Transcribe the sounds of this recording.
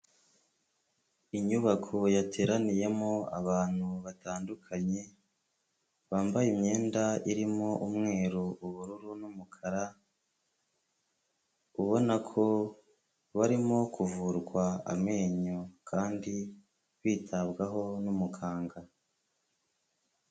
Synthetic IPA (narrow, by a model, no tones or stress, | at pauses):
iɲuβakʰojate̞ːɾanije̞moa̰βaːn̥huβataːndukʰaɲe̞ | βaːmbajimɲe̞ːndaiɾimo̞ʔumŋe̞ːɾuuβuɾuɾunumukʰaɾa | uβo̞nakʰo̞ | βaɾimo̞kuvuɾɡwaa̰me̞ːɲokʰaːndi | βiːtʰabɡaɦo̞numukʰaːŋɡa